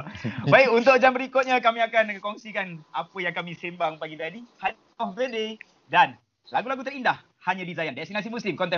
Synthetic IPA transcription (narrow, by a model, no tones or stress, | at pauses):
baikunt̪ʊk̚d͡ʒambəɾikʊt̪̚ɲakamiakankɔŋsikanapəjaŋkamisembaŋbaɡid̪adiha | ɔhbɾəde | dan | laɡulaɡut̪ərindah | haɲadizajandaakst̪inas̬imuslɪmkɔnt̪ɛ